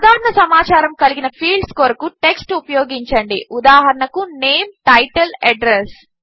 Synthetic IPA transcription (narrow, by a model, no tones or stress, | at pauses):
ud̪aːɾɐɳɐsɐmaːt͡ʃaːɾɐmkɐliɡinɐpʰiːɭɖskoːɾɐkuʈe̞ksʈupɐjoːɡiɲt͡ʃɐɳɖiʔud̪aːɦɐɾɐɳɐkuneːmʈɐjʈelɐɖɾes